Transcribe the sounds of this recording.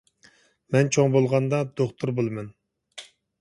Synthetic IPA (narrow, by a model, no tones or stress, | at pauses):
mɛnt͡ʃʰoŋbolˠʁɑnd̪ɑd̪̥oχt̪ʰuɾbolˠɨmɛn